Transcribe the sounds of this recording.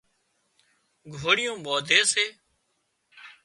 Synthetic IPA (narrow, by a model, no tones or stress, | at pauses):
ɡʱoːɽɪjõːɓoːd̪ʱeːseː